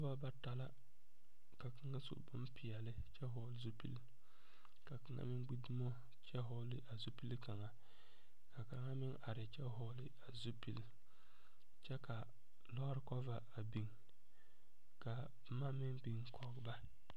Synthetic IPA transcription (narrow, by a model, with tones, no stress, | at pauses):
ɔ˦va˦ba˦ta˨la˦ | ka˨kɨ˦ŋa˦sṵ˨ʔbʊ̰˦m˦pɪ˨ja˨lɪ˦t͡ʃɛ˦ɦɔ˦lzu˦pḭ˦l | ka˨kɨ˨˦a̰˦mɪ˦ŋɡ͡bi˦du˦mo˦ | t͡ʃɛ˦ɦɔ˦lɪ˦ʔa˨zu˦pi˦lka˨ŋa˨ | ka˨ka˨˦ŋa˦mɪ˦ŋʔa˨ɾɪ˨t͡ʃɛ˦ɦɔ˦lɪ˦a˨zu˦pi˦l | t͡ʃɛ˦ka˨ | lɔ˦ɾkɔ˦va˨a˨bi˨ŋ | ka˨ | ma˦mɪ˦ŋbi˨ŋ˦kʰɔ˨˦ɡba˦